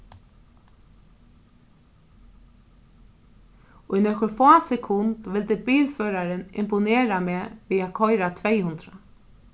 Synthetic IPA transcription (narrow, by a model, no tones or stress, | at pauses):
ujnɔkʊɾfaːsɛkʰʊnt̪ʋɪlt̪ɪbiːlføːɾaɾɪnɪ̰mpʊneːɾameːʋiːakʰɔjɾat̪ʰvɛjhʊnd̪ɾa